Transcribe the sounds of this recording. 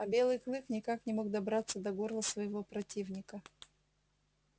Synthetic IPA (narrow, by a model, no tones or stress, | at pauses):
ɐbʲe̞lˠɨjklˠɨknʲɪkaknʲɪmo̞ɡ̚d̪ɐbɾat̪sːəd̪ɐɡorlˠəsvəjɪvopɾɐtʲivnʲɪkə